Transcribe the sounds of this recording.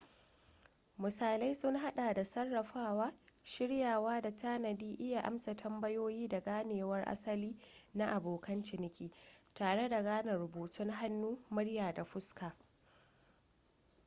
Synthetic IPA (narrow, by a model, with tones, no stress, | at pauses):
mʊ˨saː˨la˦jsʊ˦ŋɦa˦ɗa˨da˨sɐ˦rːɐ˨ɸaː˦waː˦ʃɪ˦ɽjaː˨waː˦da˨taː˦nɐ˨diː˦ʔɪ˦ja˨ʔa̰˦msa˨tʰɐ˦mbɐ˦joː˦jiː˦da˨ɡaː˦neː˨wɐ˦rʔa̰˦sɐ˦liː˦na˦ʔa˨boː˨kɐ˦nt͡ʃɪ˨nɪ˦kʲiː˨taː˨ɽe˦da˨ɡaː˦nɐ˨rɽʊ˨buː˨tʊ˦ŋɦa˦nːuː˦mʊ˦ɽjaː˨da˨ɸʊ˦skaː˨